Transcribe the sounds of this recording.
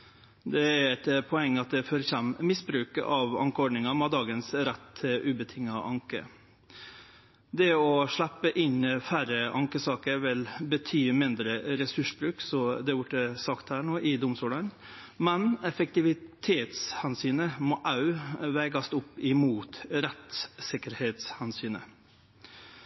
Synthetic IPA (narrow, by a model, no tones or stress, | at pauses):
d̪ɛæɾɛt̪pʰɔɛŋːəɑt̪̚d̪ɛføːɾəçɛmmɪsbɾʉːkə̰ʔɑʋɑ̰ŋkəɔɖɳɪŋɑmɑd̪ɑːɡənsɾɛt̪ʉːbət̪ʰɪŋːɑʔɑŋkə̰ | d̪ɛɔʂɭæpːəʔɪnəfæɾəʔɑŋkəsɑːkəɾʋɪlbət̪ʰyːmɪnd̪ɾəɾɛsʉʂbɾʉːksɔd̪ɛʋʊʈːəsɑkt̪hæːɳoːʔɪd̪ʊmst̪uːlɑn | mɛnɛfək̚t̪ɪʋɪt̪ʰeːt̪shɛnsyːnəmɔːʔɑʉʋæɪɡɑst̪ʊpːɪmuːt̪ɾɛt̪sɪkəɾheːt̪shɛnsyːnə̰